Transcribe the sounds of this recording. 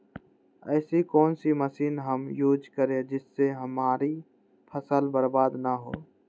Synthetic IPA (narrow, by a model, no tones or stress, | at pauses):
ɛːsikɔːnsiməsiːnɦəmjuːd͡ʒkəɾẽd͡ʒɪsːeɦəmaːɾi | pʰəsəlbəɾbaːd̪naɦo̰ː